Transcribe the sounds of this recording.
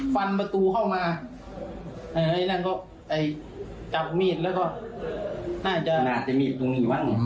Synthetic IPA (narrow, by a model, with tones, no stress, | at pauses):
fa˧npa˧t̪uː˧kʰa˥˩wmaː˧ | ʔɤː˧˩ʔa˧˩jna˧˩˨kɔː˧˥˩ | ʔa˨˩j | ka˧˩p̚miː˥˩t̪̚lɛː˧˩kɔ˧˩ | naː˥˩t͡ɕa˧˩ʔnaː˧˩sa˧˨miː˧˩t̪̚ːu˧ŋiː˧˩wa˧˥˨ŋ